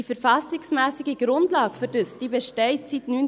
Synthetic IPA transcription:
ifəɾfɑsɪksmæːsiɡəɡ̥ɾʊndlɑːɡfʏɾd̥əsd̥iːbɛʃtɛɪtsitnyn

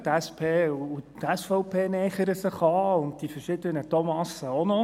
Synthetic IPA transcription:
t̪æspʰeːuutɛsfɔʊpʰeːnɛːχəɾəsɪχɑːʊndd̥ifəɾʃɪd̪ənətɔmɑsəonɔ

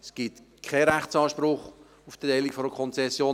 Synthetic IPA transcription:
sɡ̥it | kʰɛɾæχt͡sɑːʃpɾʊχ | ufd̥̪əɛɪlikfɔɾəkʰɔnt͡sɛsːjoː

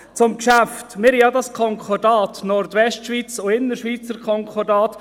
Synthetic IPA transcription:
t͡sʊmkʃæftmɪɾhijɑdɑskʰɔŋkʰɔdɑːtnɔɾdʋɛʃtʃʋiːt͡sʊɪnːəɾʃʋiːt͡səɾkʰɔŋkʰɔdɑːt̪

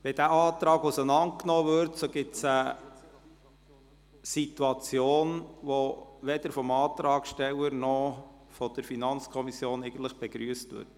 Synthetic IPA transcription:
ʋɛd̥æɑːt̪ɾɑːɡusənɑnt̚knɔːvʏɾtsoɡ̥ɪtsə | sit̪uɑt͡sjoːnʋoʋɛdəɾfɔmɑːt̪ɾɑːɡʃtɛwəɾnɔ | fɔd̥əɾfinɑnt͡skʰɔmisjoːneɪɡ̥ən̩t̪ləχb̥ɛɡ̥ɾyːəstʋʏ̰ːɾt

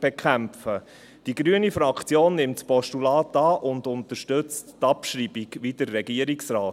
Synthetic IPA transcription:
b̥ekχæmfə | d̥iɡ̥ɾyənifɾɑkʰt͡sjoːnːɪmtspɔʃtulɑːtɑːʔʊndʊntəʃtɵt͡stːɑpʃɾiːbiɡʋidəɾːɛɡiəɾiksrɑː

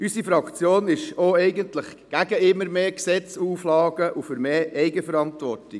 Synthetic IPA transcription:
ysifɾɑkt͡sjoːnɪʃoɛɪɡəntləχɡ̥æɡəɪmːəɾmeːksɛt͡suːflɑːɡəʔufʏɾmeːɛɪɡəfəɾɑntʋɔrti

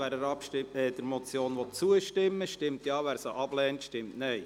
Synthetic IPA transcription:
æɾəɾɑpʃɪɛd̥əɾmɔtt͡sjoːnʋɔt̚t͡suəʃtɪmːəʃtɪmtjɑːʋæːɾsəʔɑb̥lɛːntʃtɪmtnɛɪ

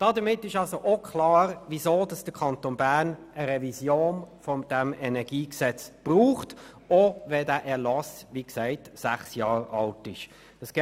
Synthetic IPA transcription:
d̥ɑːd̪əmɪtːɪʃɑlsoʔokʰχlɑːɾʋizoːd̥ɑsd̥əkʰɑntonbæʁn | əɾɛvisjoːnfɔd̪̥æmɛnɛɡiːksɛt͡sb̥ʁuːχt | oʋɛdæːʔɛʁlɑsʋiːksæɪtsæχsjɑːɾɑltɪʃ | əsɡ

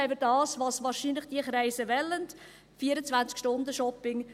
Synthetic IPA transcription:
ɛɪbədɑːsʋɑːsʋɑːɾʃinləχd̥iəχɾæɪsəʋɛlːənd | fiːəɾət͡sʋænt͡skʃtʊndəʃɔpɪŋ

